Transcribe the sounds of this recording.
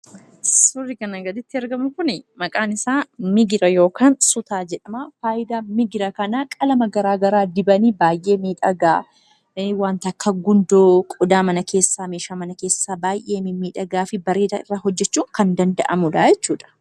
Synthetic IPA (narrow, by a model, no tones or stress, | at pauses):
sʊrːɪkɐnɐɡɐd̪ɪt̪ːɪɐɾɡɐmnʊkʊnɪmɐkʼaːnɪsaːmɪɡɪɾɐjo̞ːkaːnsʊt̪aːd͡ʒɛᶑɐmafaːjɪd̪aːmɪɡɪɾɐkɐnakʼɐlɐmɐɡɐɾaːɡɐɾaːd̪ɪbɐniːbaːjʔe̞ːmiːᶑɐɡaː | waːnt̪ɐkʰːɐɡʊnd̪oːkʼʊd̪aːmɐnɐkʰe̞ːsːaːmeːʃaːmɐnɐke̞ːsːaːbaːjʔe̞ːmɪmiːᶑɐɡaːfɪbɐɾeːt̪ɐɪrːaːɦɔd͡ʒːɛt͡ʃːuːŋkɐnd̪ɐnd̪ɐʔɐmʊᶑ̪aːjɛt͡ʃːuːᶑɐ̥